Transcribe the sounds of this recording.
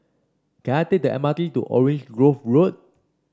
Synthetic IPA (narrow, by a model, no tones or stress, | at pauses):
kɛ̃atek̚dəʔɛ̰matlitṵʔɔ̰ɹẽnd͡ʒɡɹofɹot̚